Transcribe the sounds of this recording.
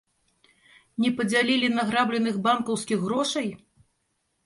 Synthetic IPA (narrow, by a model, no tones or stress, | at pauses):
nʲɛpɐd͡zʲalʲilʲinɐɣɾablʲɛnɨɣbankɐwskʲiɣːɾɔʂɐj